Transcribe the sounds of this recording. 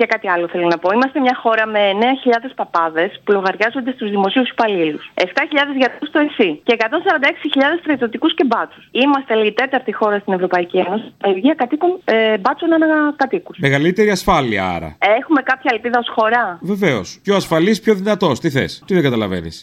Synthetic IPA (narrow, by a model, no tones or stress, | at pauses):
ʝɐkɐt̪iɐlo̞θe̞lonɐpo̞imɐst̪emɲɐxo̞ɾɐme̞ːne̞ɐçiʎɐðe̞spɐpɐðe̞spulo̞ɣɐɾʝɐzo̞nd̪est̪uzðimo̞siuspɐliluse̞ft̪ɐçiʎɐðe̞zʝɐt̪st̪oesiceːkɐt̪o̞nsɐɾɐnd̪ɐeksiçiʎɐðe̞st̪ɾɐit̪o̞t̪ikusce̞bɐt͡su̥simɐst̪eliit̪e̞t̪ɐɾt̪ixo̞ɾɐst̪ine̞vɾo̞pɐicieno̞seʝiɐkɐt̪ikunbɐt͡sonɐnɐkɐt̪ikusmeɣɐlit̪e̞ɾiɐsfɐliɐ̰ɐ̰ɾɐ̰exume̞kɐpçɐelpiðɐo̞sxo̞ɾɐve̞veosceoɐsfɐlispço̞ðinɐt̪o̞st̪iθḛst̪iðeŋɡɐt̪ɐlɐvḛnḭss